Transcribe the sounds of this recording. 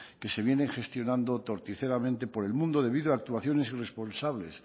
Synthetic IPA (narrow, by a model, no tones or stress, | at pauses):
ke̞se̞β̞je̞nẽ̞ŋχe̞st̪jo̞nãnd̪ot̪o̞ɾt̪iθe̞ɾamẽnt̪e̞po̞ɾe̞lmũnd̪oð̞e̞β̞iðoaːk̚t̪uaθjo̞ne̞sire̞spo̞nsaβle̞s